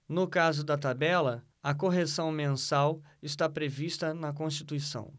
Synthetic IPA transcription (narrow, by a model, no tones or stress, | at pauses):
nʊkazʊd̪ɐt̪abɛlɐ | ɐkoɦesɐ̃w̃mẽsawɪst̪apɾevist̪ɐnɐk̬õst͡ʃi̥t̪uisɐ̰̃w̃